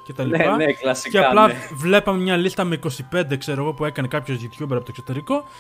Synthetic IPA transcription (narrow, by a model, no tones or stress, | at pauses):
cet̪ɐlipɐeklɐsieɐlɐvle̞pɐmemɲɐlist̪ɐmeiko̞sipe̞nd̪ekse̞ɾoɣo̞pue̞kɐne̞kɐpço̞zðit̪çupeɾɐpot̪eksot̪e̞ɾiko̞